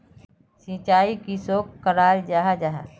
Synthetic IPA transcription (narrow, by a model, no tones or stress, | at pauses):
sĩːt͡ʃaːikisoːkkːəɾaːɾd͡ʒaɦad͡ʒaɦa̰